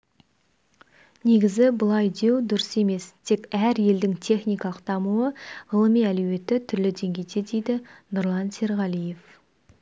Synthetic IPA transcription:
ne̞ɡʲɪzɪbʊlˠɑjd̪e̞wd̪ʊɾɪse̞me̞st̪ʰe̞kæɾje̞ld̪ɪŋt̪ʰe̞χnijkɑlˠəq̚t̪ʰɑmuwəʁəlˠəmijælɵwe̞t̪ːɪt̪ʰʏɾlɪd̪e̞ŋɡʲejt̪ʰed̪e̞jd̪ɪnʊɾlˠɑnse̞ɾʁɑlˠije̞f

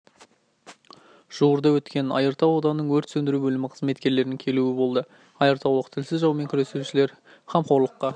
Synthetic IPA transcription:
ʒ̥uwəɾd̪ɑwɵt̪kʲe̞nɑ̰jəɾt̪ɑwod̪ɑnənəɴwɵɾt̪sɵnd̪ɪɾubɵlɪmɪqʰə̥zme̞t̪kʲe̞ɾle̞ɾnɪŋʲkʲʰe̞luɪbo̞lˠd̪ə | ɑjəɾt̪ɑwlˠəqt̪ʰɪlsɪzʒɑwme̞ŋkʲʰʏɾe̞suʃɪle̞ɾ | χɑmqʰo̞ɾlˠəqːɑ

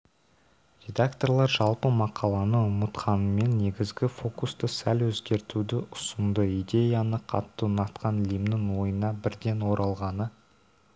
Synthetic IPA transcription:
ɾʲe̞d̪akt̪o̞rlˠɑɾʒɑlˠpəmɑqʰɑlˠɑnəʊmət̪qʰɑnəme̞nːe̞ɡʲɪzɡʲɪfo̞kust̪əsælwɵzɡʲe̞ɾt̪ud̪ɪʔʊsʊnd̪əijd̪ʲe̞janəqʰɑ̰t̪ːənɑt̪qɑnlimnɪŋwo̞jənɑbɪɾd̪e̞nwo̞ɾʔɑlˠʁɑnə

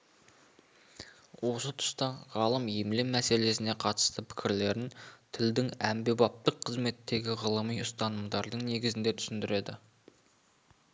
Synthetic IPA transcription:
wo̞sət̪ʰʊ̥st̪ɑʁɑlˠəmjemlemːæse̞le̞sɪne̞qʰɑt̪ə̥st̪əpʰɪ̥kʲʰɪɾle̞ɾɪnt̪ʰɪld̪ɪŋæmbe̞bɑp̚t̪əqʰːəzme̞t̪ːe̞ɡʲɪʁəlˠəmijʊst̪ɑnəmd̪ɑɾd̪əɴne̞ɡʲɪzɪnd̪e̞t̪ʰʏ̥sɪnd̪ɪɾe̞d̪ɪ̰

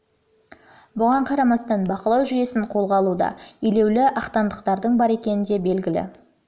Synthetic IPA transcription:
bʊʁɑɴqʰɑɾɑmɑst̪ɑnbɑqəlˠɑwʒʏje̞sɪɴqʰo̞lˠʁɑlˠud̪ɑ̰ile̞wlɪʔɑχt̪ɑnd̪əqt̪ɑɾd̪əɴbɑɾe̞kʲe̞nɪnd̪e̞be̞lɡʲɪlɪ̰

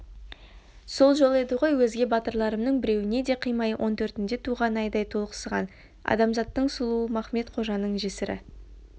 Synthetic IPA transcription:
so̞lˠʒo̞lˠe̞d̪ɪʁo̞jwɵzɡʲe̞bɑt̪əɾlˠɑɾəmnəɴbɪɾe̞wɪne̞d̪e̞qʰijmɑjəwʔo̞nt̪ʰɵɾt̪ɪnd̪e̞t̪ʰuʁɑnɑjd̪ɑjt̪ʰo̞lˠqə̥səʁɑ̰n | ɑ̰d̪ɑmzɑt̪ːəɴsʊlˠuəmɑχme̞t̪qʰo̞ʒɑnːəɴʒesɪɾɪ̰

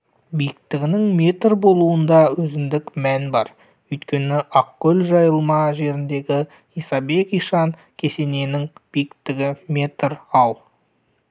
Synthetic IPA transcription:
bijɪk̚t̪ɪɡʲɪnɪŋmʲe̞t̪rbo̞lˠuənd̪ɑwɵzɪnd̪ɪkmænbɑɾ | ʏjt̪kʲe̞nɪʔɑqkʲːɵlʒɑjəlˠmɑʒe̞ɾɪnd̪e̞ɡʲɪ | ijsɑbe̞kijʃɑŋ | kʲʰe̞se̞ne̞nɪŋb̥ijɪkt̪ɪɡʲɪme̞t̪rɑlˠ

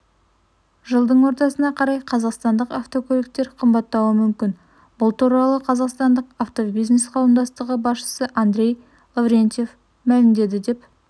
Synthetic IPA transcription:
ʒəlˠd̪əɴwo̞ɾt̪ɑsənɑqʰɑɾɑjqʰɑzɑqst̪ɑnd̪əqɑft̪o̞kʲʰɵlɪk̚t̪e̞ɾqʰəmbɑt̪ːɑwəmʏmkʲɪn | bʊlˠt̪uɾɑlˠəqʰɑzɑqst̪ɑnd̪əqaft̪o̞bijznesqʰɑwəmd̪ɑst̪əʁəbɑsʃə̥səʔand̪ɾʲe̞j | lˠavɾʲent̪je̞f | mælɪmd̪e̞d̪ɪd̪e̞p

